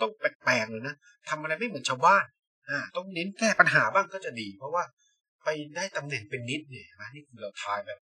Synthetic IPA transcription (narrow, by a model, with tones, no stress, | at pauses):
t̪ɔ˥˩ŋpɛː˨˩k̚pɛː˨˩ŋlɤː˧na˦˥ | t̪ʰa˧mʔa˧ɾa˧jma˥˩jmɯ˩˦ənt͡ɕʰaː˧wbaː˥˩n | ʔaː˧˩t̪ɔ˥˩ŋne˦˥nkɛː˥˩pa˧nɦaː˩˦baː˥˩ŋkɔː˥˩t͡ɕa˨˩diː˧pʰɾɔ˦˥waː˥˩ | pa˧jdaː˥˩jt̪a˧mnɛ˨˩npe˧nːi˦˥t̪̚ni˧˩t͡ɕʰɛ˧˩mɛ˦˥niː˥˩kʰɯː˧ɾa˧wt̪ʰaː˧jbɛː˨˩p̚